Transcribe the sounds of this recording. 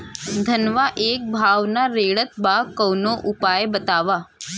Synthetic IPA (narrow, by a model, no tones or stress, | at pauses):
d̪ʱənʋaʔek̚bʱaʋnaɾeɭət̪bakəwnoʔupajbət̪aʋa